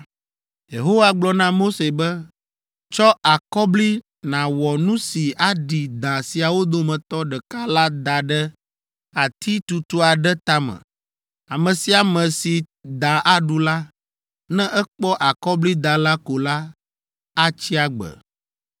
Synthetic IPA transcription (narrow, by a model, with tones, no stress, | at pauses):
je˨ɦo˦wa˦ɡ͡blɔ˨nã˦mo˦se˨bɛ˦ | t͡ʃɔ˦a˨kɔ˦bli˦ | nã˨wɔ˨nũ˦si˨ʔa˦ɖi˨d̪ã˨si˨a˨wo˦d̪o˦mɛ̃˨t̪ɔ˦ɖɛ˨ka˦la˦d̪a˨ɖɛ˦ | a˨t̪i˦t̪u˨t̪o˦a˨ɖɛ˦t̪a˦mɛ̰̃˨ | a˨mɛ̃˨si˨a˨mɛ̃˨si˨ | d̪a˨ʔa˦ɖu˨la˦ | nɛ̃˦ʔɛ˦k͡pɔ˦ʔa˨kɔ˦bli˦d̪a˨la˦ko˨la˦ | a˦t͡ɕi˦a˨ɡ͡bɛ̰˨